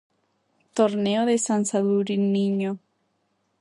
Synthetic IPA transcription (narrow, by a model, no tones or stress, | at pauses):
t̪oɾneoðesansaðuɾinĩɲo